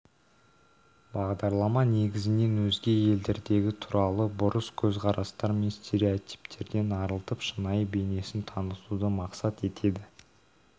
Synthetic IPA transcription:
bɑʁd̪ɑɾlˠɑmɑne̞ɡʲɪzɪne̞nwɵzɡʲe̞je̞ld̪e̞ɾd̪e̞ɡʲɪt̪ʰʊɾɑlˠəbʊɾəskʲʰɵzqʰɑɾɑst̪ɑɾmenst̪ʲe̞ɾiot̪i̥pt̪ʰe̞ɾd̪e̞nɑɾəlˠt̪əpʃənɑjbe̞jne̞sɪnt̪ʰɑnəsud̪əmɑqsɑt̪e̞t̪ʰe̞d̪ɪ

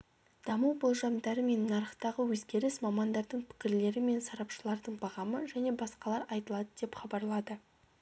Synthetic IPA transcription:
d̪̥ɑməwbolˠʒɑmd̪ɑɾəme̞nːɑɾəχt̪ɑʁəwɵzɡʲe̞ɾɪsmɑmɑnd̪ɑɾd̪əɴpʰɪ̥kʲɪɾle̞ɾɪme̞nsɑɾɑpʃəlˠɑɾd̪əɴbɑʁɑməʒæne̞bɑsqɑlˠɑɾɑjt̪əlˠɑd̪əd̪e̞pχɑbɑɾlˠɑd̪ə

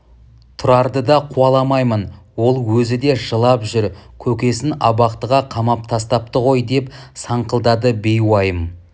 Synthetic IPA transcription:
t̪ʰʊɾɑɾd̪əd̪ɑqʰuɑlˠɑmɑjmən | wo̞lˠwɵzɪd̪e̞ʒəlˠɑpʒʏɾkʲʰɵkʲe̞sɪnɑbɑqt̪əʁɑqʰɑmɑp̚t̪ʰɑst̪ɑp̚t̪əʁo̞jd̪e̞psɑɴqəlˠd̪ɑd̪əbe̞jwɑjəm

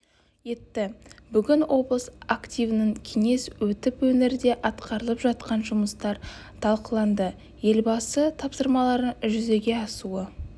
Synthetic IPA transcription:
je̞t̪ːɪbʏɡʲɪnwʔo̞blˠəsakt̪ʲijvənəɴkʲʰe̞ŋe̞swɵt̪ɪpwɵneɾd̪e̞ʔɑt̪qʰɑɾəlˠəpʒɑt̪̚qɑnʒʊməst̪ɑɾt̪ʰɑlˠqəlˠɑnd̪ə | je̞lbɑsət̪ʰɑpsəɾmɑlˠɑɾəʒʏze̞ɡʲe̞ɑsuə

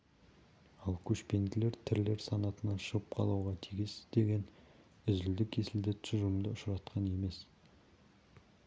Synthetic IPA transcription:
ɑlˠkʲʰɵʃpe̞nɡʲɪle̞ɾt̪ʰɪɾle̞ɾsɑnɑt̪ənɑʃəʁəp̚qʰɑlˠɑwʁɑt̪ʰijɡʲɪsɪzd̪e̞ɡʲe̞n | ʏzɪld̪ɪkʲʰːe̞sɪld̪ɪt̪ʰsʒʊmd̪əʊʃɾɑt̪qʰɑne̞me̞s

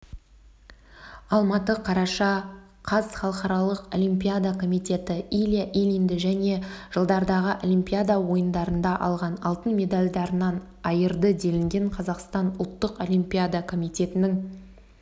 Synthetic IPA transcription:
ɑlˠmɑt̪əqʰɑɾɑʃɑ | qʰɑz̥χɑlˠəqɑɾɑlˠəqo̞̰lʲimpʲijad̪akʰo̞mijt̪e̞t̪ɪilʲijaʔilʲind̪ɪʒæne̞ʒ̥əlˠd̪ɑɾd̪ɑʁəʔolʲimpʲijad̪awo̞jənd̪ɑɾənd̪ɑʔɑ̰lˠʁɑnɑlˠt̪ənmʲe̞d̪alʲd̪ɑɾənɑn | ɑjəɾd̪əd̪e̞lɪŋɡʲe̞ɴqʰɑzɑqst̪ɑnʊlˠt̪ːəqo̞lʲimpʲijad̪akʰo̞mit̪e̞t̪ɪnɪŋ

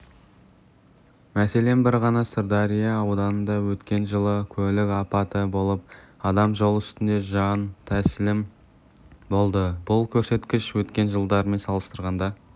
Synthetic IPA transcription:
mæse̞le̞mbɪɾʁɑnɑsʊɾd̪ɑɾijɑːwd̪ɑnənd̪ɑwɵt̪kʲe̞nʒəlˠəkʲʰɵlɪkɑpɑt̪əbo̞lˠəp̚ɑd̪ɑmʒo̞lˠʏst̪ɪnd̪e̞ʒɑnt̪ʰæsɪlɪm | bo̞lˠd̪əbʊlˠkʲʰɵɾse̞t̪kʲɪʃwɵt̪kʲe̞nʒəlˠd̪ɑɾme̞nsɑlˠəst̪əɾʁɑnd̪ɑ

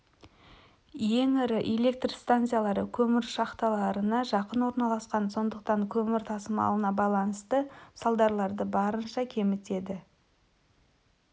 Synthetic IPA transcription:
je̞ŋɪɾɪʔele̞k̚t̪rst̪ant̪sɨjalˠɑɾəkʲʰɵmɪɾʃɑqt̪ɑlˠɑɾənɑʒɑqənwo̞ɾnɑlˠɑsqɑnso̞nd̪əqt̪ɑŋkʲʰɵmɪɾt̪ʰɑsəmɑ̰lˠənɑbɑlˠɑnəst̪əsɑlˠd̪ɑɾlˠɑɾd̪əbɑɾənʃɑkʲʰe̞mɪt̪e̞d̪ɪ

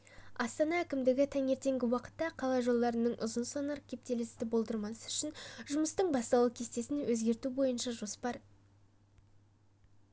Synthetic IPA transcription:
ɑst̪ɑnɑækʲɪmd̪ɪɡʲɪt̪ʰɑŋe̞ɾt̪e̞ŋɡʲɪwɑqə̥t̪ːɑqʰɑlˠɑʒo̞lˠd̪ɑɾənəɴʔʊ̰zənsɑnɑɾkʲʰe̞p̚t̪e̞lɪst̪ɪbo̞lˠd̪əɾmɑsəʏʃɪnʒʊməst̪əɴbɑst̪ɑw̪ˠəkʲʰe̞st̪e̞sɪnwɵzɡʲe̞ɾt̪ubo̞jənʃɑʒo̞spɑɾ

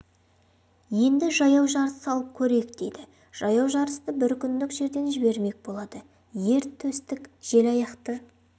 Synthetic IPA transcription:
je̞nd̪ɪʒɑjɑwʒɑɾəsɑlˠəp̚kʲʰɵɾe̞jɪk̚d̪̥e̞̰jd̪ɪ | ʒ̥ɑjɑwʒɑɾəst̪əbɪɾkʲʰʏnd̪ɪkʒe̞ɾd̪e̞nʒɪbe̞ɾme̞k̚ʲbo̞lˠɑd̪̥ə | je̞ɾt̪ʰːɵst̪ɪkʒ̥e̞lɑjɑqt̪ə

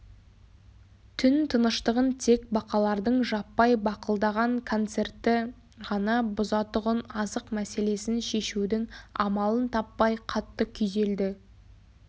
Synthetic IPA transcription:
t̪ʰʏnt̪ʰənəʃt̪əʁənt̪ʰe̞k̚bɑqɑlˠɑɾd̪əɴʒɑpːɑjbɑqəlˠd̪ɑʁɑŋkʰo̞nt̪se̞rt̪ːɪ | ʁɑnɑbʊzɑt̪ʊʁənɑzəqmæse̞le̞sɪnʃe̞ʃud̪ɪŋɑ̰mɑlˠənt̪ʰɑpːɑjqʰɑt̪ːəkʲʰʏjze̞ld̪ɪ

